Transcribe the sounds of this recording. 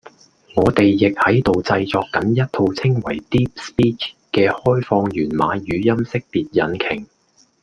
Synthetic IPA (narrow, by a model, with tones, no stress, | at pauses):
ŋɔː˨˧t̪e˨jːɪ˨k̚hɐ˨˥jt̪o˨wt͡sɐ˧jt͡sɔː˨˧kːɐ˨˥njɐ˥t̚t̪ʰo˧wt͡sʰɪ˥ŋwɐ˨˩jt̪iː˥p̚spiː˥t͡ʃʰkɛː˧hɔː˥jfɔː˧ŋjyː˨˩nma̰ː˨˧jyː˨˧jɐ˥msɪ˥k̚piː˨t̚jɐ˨˧˥nkʰɪ˨˩ŋ